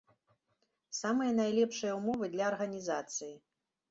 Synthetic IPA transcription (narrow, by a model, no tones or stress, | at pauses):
samɨjɐnajlʲɛpʂɨjɐumɔvɨd̪lʲɐːrɣɐnʲizat̪sɨji